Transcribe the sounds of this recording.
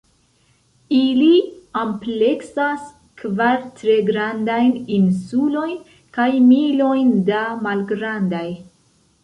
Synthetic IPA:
iliample̞ksas | kvaɾtɾe̞ɡɾandajninsulo̞jn | kajmilo̞jndamalɡɾandaj

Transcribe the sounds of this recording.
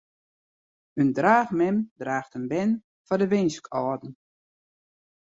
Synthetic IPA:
əndraːxmɛmdraːxtənbɛn | fɔdəʋɪnskʰɔːdn̩

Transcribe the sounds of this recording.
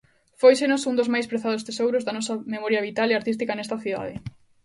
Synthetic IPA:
fojsenosund̪ozmajspɾeθaðost̪esowɾozðɐnɔsɐmemɔɾjɐβit̪aleaɾt̪ist̪ikɐnɛst̪ɐθiða̰ð̞ɪ

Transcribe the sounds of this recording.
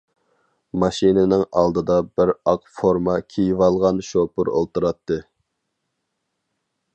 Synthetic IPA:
mɑʃinɪnɪŋɑ̰lˠd̪ɨd̪ɑbɪɾɑqfoɾmɑkʲʰijivɑlˠʁɑnʃopʊɾo̰lˠt̪uɾɑt̪ʰːɨ

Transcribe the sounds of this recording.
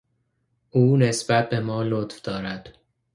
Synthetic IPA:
ʔuːne̞sbæt̪̚ʰbe̞mɒːlot̪fd̪̥ɒːɾæd̪̥

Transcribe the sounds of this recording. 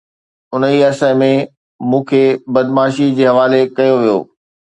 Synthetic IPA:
ʊnəiɐsəmẽ | mũːkʰeːbɐd̪maːʃid͡ʑeːɦɐʋaːlekɐjoʋijo̰ː

